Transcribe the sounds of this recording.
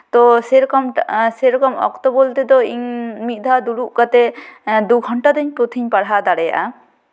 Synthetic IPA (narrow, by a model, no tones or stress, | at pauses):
t̪ɔsɛɾɔkɔmseɾɔkɔmɔ̰kt̪ɔbolt̪ɛd̪ɔiɲmit̪̚ˀd̪ʱad̪uɽuʔkat̪ɛd̪uɡʱɔɳʈad̪ɔɲpɾot̪ʰiɲpaɽɦad̪aɽɛja̰ʔa